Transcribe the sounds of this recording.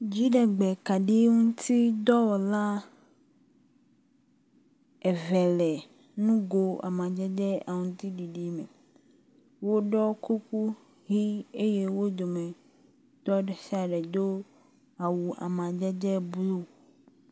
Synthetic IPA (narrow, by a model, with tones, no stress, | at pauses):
d͡ʑi˦ɖɛ˨ɡ͡bɛ˨ka˨ɖi˦ŋũ˦t̪ʰi˦d̪ɔ˦wɔ˨la˦ | ɛ˨vɛ˨lɛ˨ | nũ˦ɡo˨a̰˨mã˨d͡ʒɛ˦d̪ɛ˦a˨ŋũ˦˨t̪i˦ɖi˨ɖi˦mɛ˨ | wo˦ɖɔ˦ku˦ku˦ | ɦi˦e˦je˦wo˦d̪o˨mẽ˨ | t̪ɔ˦ɖɛ˨si˦a˨ɖɛ˨d̪o˦ | a˨wu˨ʔa̰˨mã˨d͡ʒɛ˦d̪ɛ˦blu˦